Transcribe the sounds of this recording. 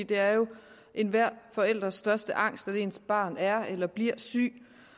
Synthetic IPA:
d̥e̝æɐjo̝ | ʔe̝nʋæɐ̰fɒ̽el̰d̥ʁɐsːd̥ɶɐsd̥əʔɑ̈ŋ̰sd̥æde̝ːnsb̥ɑ̰̈ːnæɐelɐb̥liɐ̰sy̰ː

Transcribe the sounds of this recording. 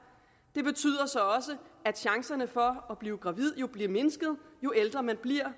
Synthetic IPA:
d̥e̝b̥e̝t͡sʰy̰ːð̰ˠɐsɒ̽ɒ̽səæd̥ɕɑ̈ŋsɐnəfɒ̽ɒb̥liːʊɡ̥ʁɑ̈ʋið̞̰ˠjo̝b̥liɐme̝nəsɡ̥ð̩ˠjo̝eld̥ʁɐmænb̥liɐ̰

